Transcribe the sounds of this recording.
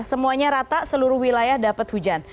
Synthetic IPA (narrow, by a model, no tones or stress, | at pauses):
səmuaɲaɾat̪aʔsəluɾʊhwilajahdapət̪̚hud͡ʒan